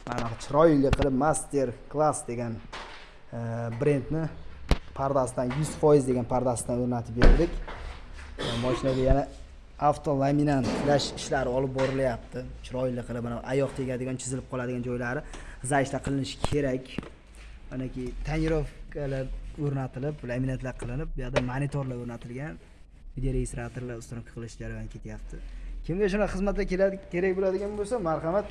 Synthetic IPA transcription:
manaqɑt͡ʃʰɪɾɒɪlːɪqʰɨlˠɪpmast̪ʰe̞ɾklˠasd̪e̞ɡʲan | bɾe̞nd̪nɪpʰaɾd̪asɪd̪anjʊzfɒjɪzd̪e̞ɡʲanpʰaɾd̪asɪd̪anɵɾnat̪ʰɪp̚beɾd̪ɪkʲ | mɒʃɪnaɡʲajana | aft̪ʰolˠaminant̪laʃɪʃlaɾɪɒlɪp̚bɒɾɪlajap̚t̪ʰɪt͡ʃʰɪɾɒɪlːɪqʰɨlˠɪpmanaajɒqt̪ʰekʲad̪ɪɡʲɒnt͡ʃʰɪzɪlɪp̚qʰɒlˠad̪ɪɡʲand͡ʒɒjlaɾɪzaɪft̪aqʰɨlˠɪnɪʃɪ̥kʲʰe̞ɾakʲ | manakʲʰɪt̪ʰanɪɾofkʰʲalaɾɵɾnat̪ʰɪlɪplaminant̪laɾqʰɨlˠɪnɪp̚bʊjaɾd̪amanit̪ʰoɾlˠaɵɾnat̪ʰɪlɡʲan | vɪd̪eɾeist̪ɾat̪eɾlaɾʊst̪ɔnŋkʰɪ̥ʁɨlˠɪʃd͡ʒaɾajankʰʲet̪jap̚t̪ʰɪkʲʰɪmɡʲaʃʊnaχɨzmat̪t̪akʲelkʲe̞ɾak̚ʲbolad̪ɪɡʲanbolsamaɾχɑmat̪

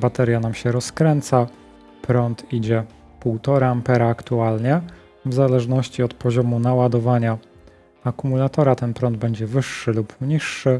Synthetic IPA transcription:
bat̪ɛɾʲjanamɕɛɾɔskɾɛnt̪sa | pɾɔnt̪id͡ʑɛ | puwt̪ɔɾaːmpɛɾaːkt̪ualɲɛ | vzalɛʐnɔɕt͡ɕiɔt̪pɔʑɔmunawad̪ɔvaɲa | akumulat̪ɔɾat̪ɛnpɾɔnd̪̚bɛɲd͡ʑɛvɘʂːɘlupmɲiʂːɘ

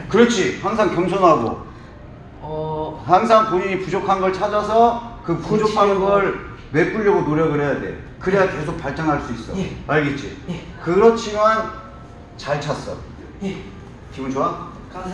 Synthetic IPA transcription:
kɯɾʌt͡ɕʰihaŋsʰaŋkjʌmt͡ɕʰʌnɦaɡo̰ | haŋs̬ʰaŋpoɲiɲipud͡ʑokʰanɡʌɭt͡ɕʰad͡ʑasʰʌkɯpud͡ʑokʰanɡʌɭ | we̞p͈uɭːʌɡonoɾjʌɡɯɭɦe̞jade̞̰ | kɯɾeɡake̞sʰok̚paɭt͡ɕ͈aŋɦaɭs͈uis͈ʌaɭɡet͡ɕ͈ḭkɯɾʌt͡ɕʰiman | t͡ɕaɭt͡ɕʰas͈ʌ̰ | kibunt͡ɕʰoa

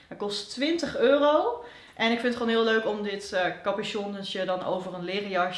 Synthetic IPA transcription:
ətkɔsttʋɪntəχøːrow | ʔɛnɪkfɪ̃nətχoːnɦɪːlˠøɥkɔmdɪtkɑpɪʃɔnəsjədɑno̰wvərənlɪːrijɑɹ

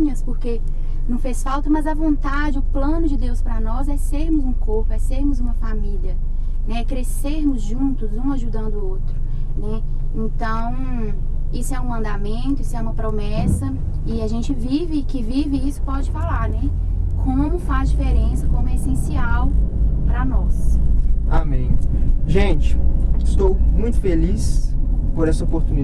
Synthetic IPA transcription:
ɲɐspoɾke | nɐ̃w̃fesfawt̪ɐmɐzɐvõnt̪ad͡ʒɪʊplɐ̃nʊd͡ʒɪd̪ewspɾɐnɔzɛseɾmʊzũkoɾpʊɛseɾmʊzũmɐfamiliɐ | nɛɛkɾeseɾmʊzʒũt̪ʊzũaʒud̪ɐ̃nd̪ʊowt̪ɾʊ | nɛ | ẽnt̪ɐ̃w̃ | isʊɛũɐ̃nd̪amẽnt̪ʊisʊɛũmɐpɾomɛsɐ | ɪaʒẽt͡ʃɪvivɪkɪvivɪisʊ̥pɔd͡ʒɪfalaɾnɛ | kʰõmʊfazd͡ʒifeɾẽsɐkõmʊesẽsiawpɾɐnɔs | amẽj̃ʒẽt͡ʃɪ̥ɪst̪owmũj̃t̪ʊ̥felispoɾɛsɐopoɾt̪ũni

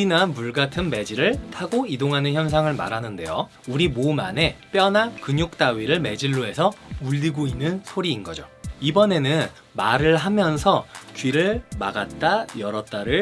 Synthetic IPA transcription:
inamuɭɡatʰɯnme̞d͡ʑiɾɯɭtʰaɡoidoŋɦanɯnçjʌns̬ʰaŋɯɭma̰ɾanɯnde̞jo | uɾimoma̰ne̞p͈jʌnakɯɲok̚t͈aɥiɾɯɭme̞d͡ʑiɭːoe̞sʰʌuʎːiɡoinːɯnsʰoɾiːnɡʌd͡ʑoibʌne̞nɯn | maɾɯɭɦamjʌnsʰʌt͡ɕɥiɾɯɭma̰ɡat̚t͈ajʌɾʌt͈aɾɯɭ

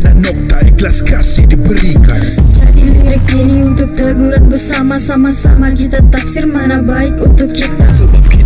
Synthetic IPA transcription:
anɛk̚t̪aiklasi̥kasidibəɾikand͡ʒa̰dḭliɾəkeniunt̪ʊk̚t̪əɡuɾat̪̚bəɾsamasamasa̰makit̪at̪afsiɾmanabaikunt̪ʊkːit̪asəbap̚ki

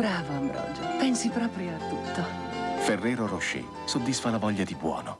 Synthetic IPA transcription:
bɾaːvoambɾɔ̰d͡ʒpɛnsipɾɔːpɾijoat̪ːut̪ːo | ferːɛːɾoɾoʃːḛ | sod̪ːisfalavɔʎːad̪ibwɔ̰ːno

